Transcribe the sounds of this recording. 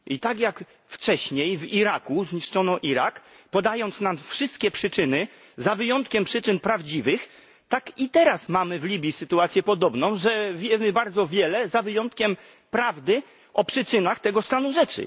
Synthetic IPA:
ʔit̪akjak | ft͡ʂɛɕɲejviɾakuzɲiʂt͡ʂɔnɔʔiɾak | pɔd̪ajɔnt̪snamfʂɘst̪̚kʲɛpʂɘt͡ʂɘnɘ | zavɘjɔnt̪kʲɛmpʂɘt͡ʂɘnpɾavd͡ʑivɘx | t̪akit̪ɛɾasmamɘvlʲibʲjisɘt̪uat̪sʲjɛpɔd̪ɔbnɔ̃w̃ʐɛvʲjɛmɘbaɾd̪zɔvʲjɛlɛzavɘjɔnt̪kʲɛm | pɾavd̪ɘ | ʔɔpʂɘt͡ʂɘnaxt̪ɛɡɔst̪anuʐɛt͡ʂɘ̰

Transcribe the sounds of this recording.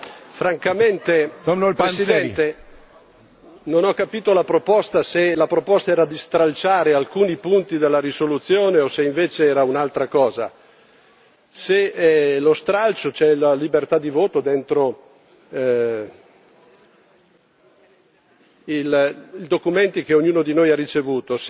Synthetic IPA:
fɾaŋkament̪enpessid̪ɛnt̪e | nonɔkːapiːt̪olapɾopɔst̪aselapɾopɔst̪aɛːɾad̪ist̪ɾalt͡ʃaːɾealkuːnipunt̪id̪elːaɾisolut̪sːjoːneoseiɱveːt͡ʃeɛːɾaunalt̪ɾakɔːza̰ | selost̪ɾalt͡ʃot͡ʃɛlalibert̪ad̪ivoːt̪od̪ent̪ɾo | ilild̪okument̪ik̟eoɲːuːnod̪inojarit͡ʃevuːt̪os

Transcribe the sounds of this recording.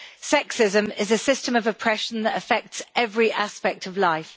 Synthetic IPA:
sɛksɪzə̃mɪzəsɪstə̃məvəpʰɹ̥ɛʃə̃nðətəfɛk̚tsɛvɹiʔaspɛk̚tʰəvlaɪf

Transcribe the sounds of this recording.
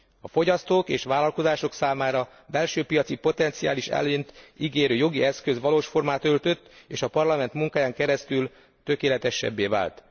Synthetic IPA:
ɒfo̞ɟɒst̪oːkeːʃʋaːlɒlko̞zaːʃo̞ksaːmaːɾɒ | bɛlʃøːpijɒt̪sipo̞t̪ɛnt̪sija̰ːliʃɛ̰løːnt̪iɡeːɾøːjo̞ɡiɛskøzʋɒloːʃfo̞rmaːt̪ø̞lt̪ø̞t̪ːeːʃɒpɒrlɒmɛnt̪muŋkaːjaːŋkɛɾɛst̪yl | t̪ø̞keːlɛt̪ɛʃːɛ̰bːeːva̰ːlt̪

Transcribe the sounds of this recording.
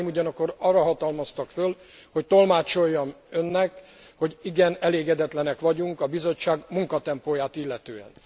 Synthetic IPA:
muɟɒnɒkːo̞ɾɒrːɒɦɒt̪ɒlmɒst̪ɒkføl | ho̞ct̪o̞lmaːt͡ʃo̞jːɒm | ønːɛk | ho̞ɟiɡɛnɛleːɡɛd̪ɛt̪lɛnɛkʋɒɟuŋkɒbizo̞t͡ʃːaːɡmuŋkɒt̪ɛmpoːjaːt̪ilːɛt̪øːɛ̰n

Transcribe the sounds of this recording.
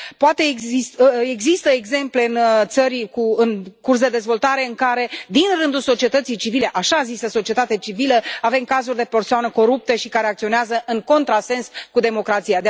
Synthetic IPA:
poat̪e̞ist̪eɡzist̪əeɡze̞mple̞ɨnt̪səɾkuɨnkurs̬d̪e̞d̪e̞zvo̞lt̪aɾe̞ɨŋkaɾe̞d̪inrɨnd̪ulso̞t͡ʃiet̪ət̪sijt͡ʃivile̞ʔaʃazisəso̞t͡ʃie̞t̪at̪eat͡ʃiviləave̞mkazurʲd̪e̞pe̞rsoanəko̞ɾup̚t̪əʃikaɾe̞akt̪sio̞neazəʔɨŋko̞nt̪ɾase̞nskud̪e̞mo̞kɾat̪sijad̪

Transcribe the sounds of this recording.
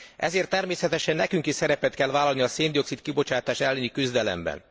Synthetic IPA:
ʔɛ̰zeːrt̪ːɛrmeːsɛt̪ɛʃɛnːɛkyŋkiʃsɛɾɛpɛt̪kɛlvaːlɒlniɒseːnd̪io̞ksit̪kibo̞t͡ʃaːt̪aːʃɛlːɛnikyzd̪ɛlɛ̰mbɛ̰n

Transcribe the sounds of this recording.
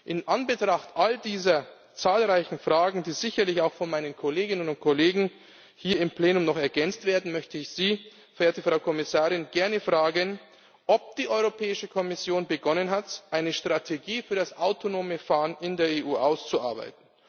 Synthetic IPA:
ʔɪnʔanbətʁ̥aχtʔaldiːzɐ | t͡saːlʁaɪçn̩fʁ̥aːɡŋ̩diːzɪçɐlɪçaʊxfɔnmaɪnənkʰoleːɡɪnənʊntkʰoleːɡŋ̩ | hiːɐɪmpl̥eːnʊmnɔχɛɐɡɛnt͡stv̥eːɐdn̩mœçtʰəɪçz̥iː | fɛɐeːɐtəfʁ̥aʊkʰɔmɪsaːʁɪnɡ̥ɛɐnəfʁ̥aːɡən | ʔɔp̚d̥iːʔɔʏʁopʰɛːɪʃəkʰɔmɪsjoːnbəɡɔnənɦatʔaɪnəʃtʁ̥atʰeɡiːfyːɐdasʔaʊtʰonoːməfaːənɪndeːɐeːʔuːʔaʊst͡sua̰ɐba̰ɪtn̩

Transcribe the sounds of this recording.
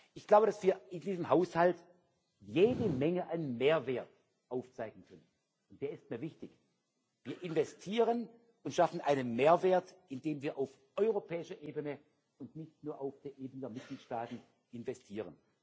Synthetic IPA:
ʔɪçɡ̥laʊbəɾasv̥iːɐɪndiːzəmhaʊshalt | jeːdəmɛŋəʔanmeːɐveːɐt | ʔaʊft͡saɪɡŋ̩kʰœnən | ʊnt̚d̥eːɐɪstmiːɐvɪçtɪç | v̥iːɐʔɪnvɛstʰiːʁən | ʊntʃafn̩ʔaɪnənmeːɐveːɐtɪndeːmviːɐʔaʊf | ʔɔʏʁopʰɛːɪʃɐʔeːbənə | ʊntnɪçtnuːɐʔaʊfd̥eːɐʔeːbənədeːɐmɪt̚ɡ̥liːtʃtaːtn̩ | ʔɪnvɛstʰiːʁ̞ən

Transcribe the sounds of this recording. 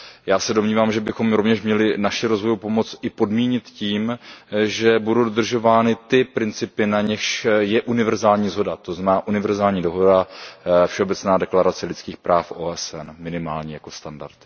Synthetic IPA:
jaːsɛdo̞mɲiːvaːmʒɛbɪxo̞mɾo̞vɲɛʃmɲɛlɪnaʃɪɾo̞zvo̞jupo̞mo̞t͡sʔɪpo̞dmiːɲɪt̪ciːmʒɛbudowdo̞d̪r̩ʒo̞vaːnɪt̪ɪpɾɪnt͡sɪpɪnaɲɪxʃjɛʔunɪvɛɾzaːlɲiːzɦo̞dat̪oznamɛnaːʔunɪvɛɾzaːlɲiːdo̞ɦo̞dafʃɛobɛt͡snaːdɛklaɾat͡sɛlɪt͡skiːxpɾaːfʔoːʔɛsɛnmɪnɪmaːlɲijako̞st̪anda̰ɾt̪

